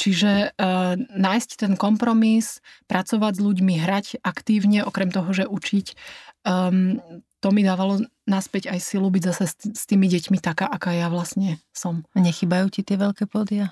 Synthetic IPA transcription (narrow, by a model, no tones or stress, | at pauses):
t͡ʃiʒɛ | naːjsct̪ɛnkɔmpɾɔmispɾʔat͡sɔʋaɟzʎuɟmiɦɾacʔakt̪iːʊɲɛʔɔkɾɛmt̪ɔɦɔʒɛʔut͡ʃicː | t̪ɔmid̪aːʋalɔ | naspɛɟajsilubiɟzasɛst̪iːmiɟɛcmit̪akaːʔakaːjaʋlasɲɛsɔmɲɛxiːbajuːcit̪ɪɛʋɛʎkɛːpɔd̪ia